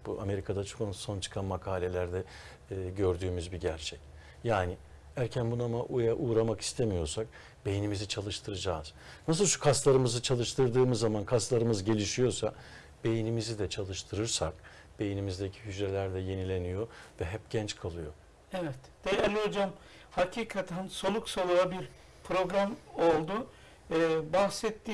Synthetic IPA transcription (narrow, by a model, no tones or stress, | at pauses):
b̥uʔa̰me̞ɾikʰad̪at͡ʃʰo̥kanso̞nt͡ʃʰɯ̥kʰanmakʰaːlʲe̞lʲæɾd̪ɛː | ɟø̞ɾd̪yːmyzbiɟæɾt͡ʃʰɛc | jaːnɪ | æɾcʰænbunamaʔujaʔuːɾamaki̥st̪ʰemijo̞ɾsak̚ | b̥e̞jinimizit͡ʃʰalˠɯʃt̪ʰɯɾɯd͡ʒaːz̥nas̬ɯlˠʃu̥kʰast̪lˠaɾɯmɯzɯt͡ʃʰalˠɯʃt̪ʰɯɾd̪ɯːmɯzːamankʰast̪lˠaɾɯmɯzɟe̞lʲiʃijo̞sa | b̥e̞jinimizid̪ɛt͡ʃʰalˠɯʃt̪ʰɯɾɯɾsak | b̥e̞jinimizd̪ecʰi̥ɦyd͡ʒɾelʲæɾd̪ɛje̞nilʲe̞nijo̞vɛɦɛp̚ɟɛnt͡ʃkʰalˠɯjo̞̰ | evɛt̪d̪̥ejalʲod͡ʒam | hacʰiːkʰat̪ʰænso̞lˠuksolˠuabiɾ | pʰɾo̞ɡɾamo̞lˠd̪ʊ | bahsɛt̪ːi